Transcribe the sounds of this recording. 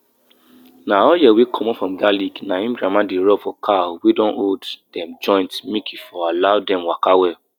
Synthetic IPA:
naɔjɛwekʰɔ̃mɔ̃fɹɔ̃mɡaliɡnaĩmɡɹamãdeɹɔbfɔkʰawedɔ̃nodd̥ɛ̃md͡ʒɔ̃ɪ̃ntmikʰifɔalaʊdɛ̃mwakawɛ

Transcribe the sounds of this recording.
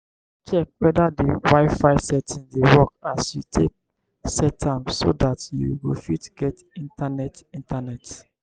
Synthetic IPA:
t͡ʃɛk̚wɛdadiwaɪfaɪsɛtʰĩndewɔk̚asjutʰek̚ | sɛtʰãmso̰datjṵwufitɡɛt | ĩntanɛtĩntʰanɛt

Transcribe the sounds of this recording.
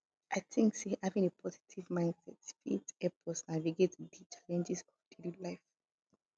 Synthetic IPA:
ʔaɪtʰɪ̃ŋksihavɛ̃nipʰɔzi̥tʰivmãɪ̃nd̥sɛtsfitɛpʰɔsnaviɡetdit͡ʃʰalɛ̃nd͡ʒɛzɔvd̥elilaɪf

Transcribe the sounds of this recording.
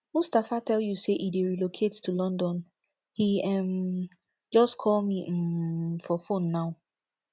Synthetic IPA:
mustafatʰɛljuseʔideɹilokʰettːulɔ̃ndɔ̃n | hiɛ̃m | d͡ʒɔstkʰɔlmi | fɔfõnːaʊ

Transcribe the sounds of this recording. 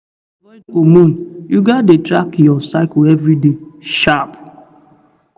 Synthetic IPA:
wɛdomun̩juɡadetɾakjɔsaɪklevɾideʃap

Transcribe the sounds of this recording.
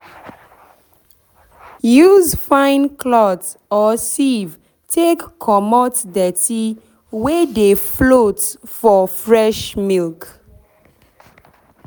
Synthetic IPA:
juzfãɪ̃nkʰlɔt | ɔsiv | tʰekːʰɔmɔtdɛti | wɛdeflotfɔfɹɛʃmilk

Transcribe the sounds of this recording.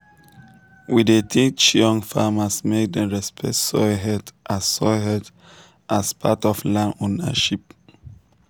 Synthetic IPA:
widetʰit͡ʃɔ̃ŋfamasmek̚dɛ̃ɹɛspʰɛktsɔɦɛdʔasːɔɦɛd | ʔaspʰatɔflãnonə̰ʃip̚

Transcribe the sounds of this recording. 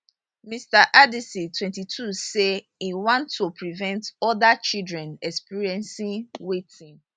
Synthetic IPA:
mistaʔadisitʰwɛ̃ntitʰuse | iwãntʰːopɹivɛ̃ntɔdat͡ʃildɹɛ̃nɛkspiɹiɛ̃nsĩwetĩn

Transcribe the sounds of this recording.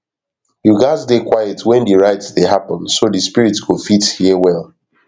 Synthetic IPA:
juɡazdekwajɛtʰwɛ̃ndiɹaɪtsdeɦapə̃nsodispiɹitɡofithiwɛlˠ

